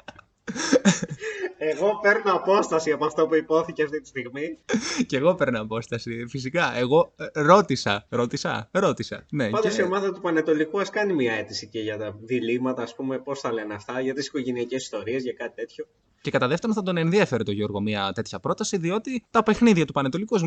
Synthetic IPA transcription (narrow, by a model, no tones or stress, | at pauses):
eɣo̞pe̞ɾnoɐpo̞st̪ɐsiɐpoɐft̪opuipo̞θiceɐft̪it̪i̥st̪iɣmiceɣo̞pe̞ɾnoɐpo̞st̪ɐsifisikɐʔeɣo̞ɾo̞t̪isɐɾo̞t̪isɐ̰ɾo̞t̪isɐ̰ne̞ɐnd̪osio̞mɐðɐt̪upɐnet̪o̞likuɐskɐnimiɐe̞t̪isiceʝɐt̪ɐðilimɐt̪ɐːspumepo̞sθɐle̞nɐft̪ɐʝɐt̪isi̥ko̞ʝe̞niɐcesi̥st̪o̞ɾiezʝɐkɐt̪i̥t̪e̞t̪ço̞ | ce̞kɐt̪ɐðe̞ft̪onθɐt̪o̞ne̞nðiɐfe̞ɾet̪o̞ʝo̞ɾɣo̞miɐt̪e̞t̪çɐpɾo̞t̪ɐsiðio̞t̪it̪ɐpe̞xniðiʝɐt̪upɐnet̪o̞likuɐz